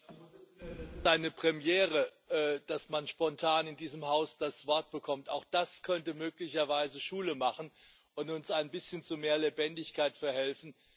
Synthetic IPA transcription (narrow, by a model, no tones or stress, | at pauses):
z̥aɪnəpʁ̥ɛmjɛːʁ̞əʔɛːd̥asmanʃpɔntʰaːnɪndiːzəmhaʊsd̥asv̥ɔɐt̚b̥əkʰɔmta̰ʊxd̥askʰœntəmøːklɪçɐvaɪzəʃuːləmaχn̩ | ʔʊntʊnsaɪnbɪsçənt͡sumeːɐlebɛndɪçkʰaɪtfɛɐhɛlfn̩